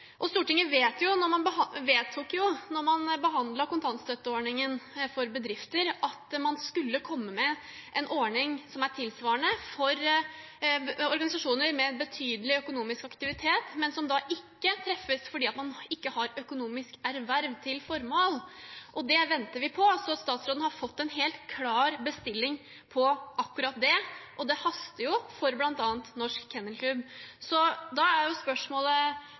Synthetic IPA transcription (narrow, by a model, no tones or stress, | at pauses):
ʔɔst̪uːʈɪŋːəʋeːt̪jʊnɔmɑnbəʋeːt̪ʰːuːkjʊnɔɾmɑnbəɦɑnd̪lɑɾkʊnt̪ʰɑnst̪œt̪ːəɔɳɪŋənfɔɾbəd̪ɾɪft̪əɾʔɑt̪mɑnskʉlːəkʰɔmːəmɛ | ʔɛnʔɔɳɪŋsɔmæʈʰɪlsʋɑːəɳəfɔɾ | ɔɾɡɑnɪsɑʂuːnəɾmɛbət̪ʰyːd̪əlɪœkʊnuːmɪskɑkt̪ɪʋɪt̪ʰeːt̪mɛnsɔmd̪ɑʔɪkːət̪ʰɾɛfːəsfɔɖiːɑt̪mɑnɪkːəhɑɾœkʊnuːmɪskæɾʋæɾʋt̪ʰɪlfɔɾmoːlʔɔd̪ɛʋɛnt̪əɾʋɪpʰɔɑlsɔɑt̪st̪ɑːt̪sɾoːd̪n̩hɑɾfɔt̪ːɛnɦeːlt̪kʰlɑːɾbəst̪ɪlːɪŋ | pʰɔʔɑkːʉɾɑt̪̚d̪ɛʔɔd̪ɛhɑst̪əɾjʊfɔɾblɑnt̪ɑːnt̪nɔʂkʰːɛnːəlkʰlʉbsɔd̪ɑæɾjʊspœʂmoːlə